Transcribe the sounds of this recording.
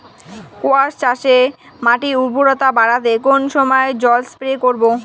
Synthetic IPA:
koaʃt͡ɕaʃe | maʈiuɾbʱuɾɔt̪abaɽat̪ekonʃɔmɔed͡ʑɔlspɾekoɾbo

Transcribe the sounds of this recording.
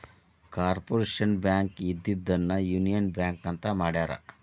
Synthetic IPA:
kaːɾpoɾeːʃɐnbjaːŋkːid̪ːit̪̚d̪ɐnːɐjunijɐnbjaːŋkːɐnt̪ɐmaːɽjaːɾɐ̰

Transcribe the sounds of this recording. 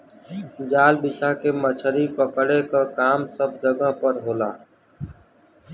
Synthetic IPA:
d͡ʒaːlbɪt͡ʃʰaːkeːmət͡ʃʰəɾipəkɽekaːkaːmsəb̚d͡ʒəɡãpəɾɦoːlaː

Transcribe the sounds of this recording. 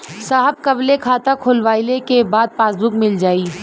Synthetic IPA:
saːɦəb̚kɐblekʰaːt̪akʰʊlʋaːɪlekebaːd̪̚paːzd̪ʊkmɪld͡ʒaːiː

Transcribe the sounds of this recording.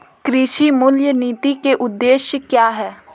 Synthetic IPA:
kɾiʃimʊljəniːt̪ikeʔʊd̪ːeːʃjəkjaːɦɛː

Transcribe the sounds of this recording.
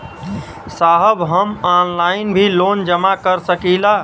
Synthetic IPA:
saɦəbɦəmanlainbʱilond͡ʒəmakəɾsəkila

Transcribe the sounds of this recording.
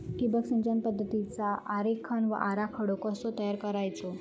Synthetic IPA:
ʈibəksind͡ʑənpəd̪ʱːət̪it͡saʔaɾekʰːəɳʋə̰ʔaɾakʰəɽokəsot̪əjaɾkəɾajt͡so

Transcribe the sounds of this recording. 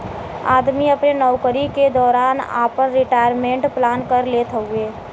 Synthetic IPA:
aːd̪miɐpnenɔʊkəɾiked̪ɔːɾaːna̰ːpəɾːɪʈaːɪjəɾmẽːɳʈplaːnkəɾleːt̪ʰəueː

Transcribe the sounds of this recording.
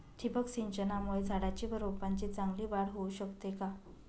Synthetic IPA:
ʈʰipəksiɲt͡ɕənamuɭed͡zʱaɽat͡ɕiːbəɾopaɲt͡ɕit͡saŋɡliːʋaɽɦouɕəkt̪eka

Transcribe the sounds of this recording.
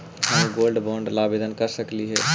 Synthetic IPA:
ɦəmɡoːlɖbɔ̃ːɳɖlaːbeːd̪ənkɐɾsəkliɦɛː

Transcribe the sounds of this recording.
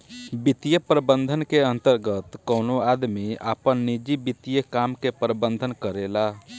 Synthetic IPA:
bit̪ijəpɾəbənd̪ʱənkeə̃nt̪əɾɡət̪kənoad̪miapənːid͡ʒibit̪ijəkamkepɾəbənd̪ʱənkəɾela

